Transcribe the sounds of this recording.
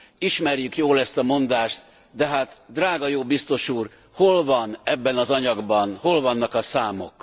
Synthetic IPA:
iʃmɛrjykjoːlɛst̪ɒmo̞nd̪aːʃt̪ | d̪ɛɦaːt̪d̪raːɡɒjoːbist̪o̞ʃuːr | ho̞lvɒnɛbːɛnɒzɒɲɒɡbɒnho̞lvɒnːɒkɒsaːmo̞̰k

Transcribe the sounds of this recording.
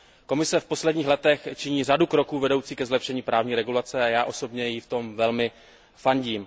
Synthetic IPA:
ko̞mɪsɛfpo̞slɛdɲiːxlɛt̪ɛxt͡ʃɪɲiːr̝adukɾo̞kuːvɛdo̞wt͡siːkɛzlɛpʃɛɲiːpɾaːvɲiːɾɛɡulat͡sɛajaːʔo̞so̞bɲɛjɪft̪o̞mvɛlmɪ | faɲɟiːm

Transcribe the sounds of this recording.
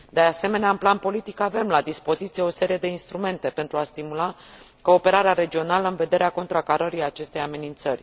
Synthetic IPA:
d̪e̞ase̞me̞neaɨnplanpo̞lit̪ikave̞mlad̪ispo̞zit̪sije̞o̞se̞ɾije̞d̪e̞inst̪ɾume̞nt̪e̞pe̞nt̪ɾuast̪imula | ko̞ːpe̞ɾaɾeaɾe̞d͡ʒio̞naləɨnve̞d̪e̞ɾeako̞nt̪ɾakaɾəɾiat͡ʃe̞st̪e̞jame̞nint̪sərʲ

